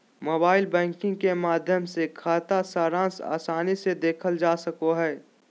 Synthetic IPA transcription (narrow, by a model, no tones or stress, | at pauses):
moːbaːɪlbɛ̃ːŋkɪ̃ŋɡkemaːd̪ʱjəmsekʰaːt̪asaːɾãːsa̰ːsaːnised̪eːkʰəld͡ʒaːsɐkoɦɛː